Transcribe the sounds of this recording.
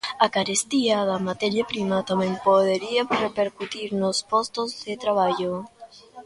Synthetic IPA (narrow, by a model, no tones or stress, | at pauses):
akaɾest̪iaðɐmat̪ɛɾjapɾimat̪amɛ̃mpoðeɾiarepeɾkut̪iɾnospɔst̪ozðet̪ɾaβ̞aʎo